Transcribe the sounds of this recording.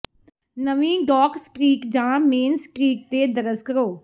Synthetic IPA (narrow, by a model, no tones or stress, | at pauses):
nəʋĩːɖɔːksʈɾiːkd͡ʒãːmeːnsʈɾiːk̚t̪eːd̪əɾəzkəɾoː